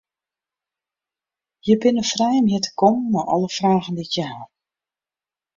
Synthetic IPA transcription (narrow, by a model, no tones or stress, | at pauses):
jəbɪnəfrɛjmjɪtə̥kɔmːɔʔɔ̰lˠəfraːɣn̩ditjəɦalˠ